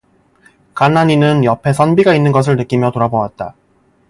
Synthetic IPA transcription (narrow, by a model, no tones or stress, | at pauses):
kanːaɲinɯnjʌpʰe̞sʰʌnbiɡainːɯnɡʌs̬ʰɯɭnɯk͈imjʌtoɾabowat̚t͈a